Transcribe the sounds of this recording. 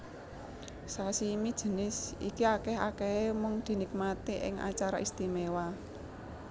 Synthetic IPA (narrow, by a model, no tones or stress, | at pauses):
sasimid̥ʒ̥ə̤nɪsikiakɛha̰kɛemʊŋd̪̥i̤nik̚mat̪iʔɪ̰ŋa̰t͡ʃaɾaʔist̪imewa